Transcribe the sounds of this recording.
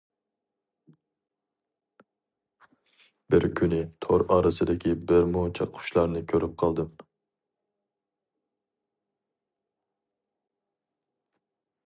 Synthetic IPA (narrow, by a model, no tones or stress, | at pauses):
bɪɾkʲʰynɪt̪ʰoɾɑːɾɨsɨd̪ɪkʲʰibɪɾmut͡ʃʰɑqʰːʊ̥ʃlˠɑɾnɨkʲʰøɾyp̚qʰɑlˠd̪ɨm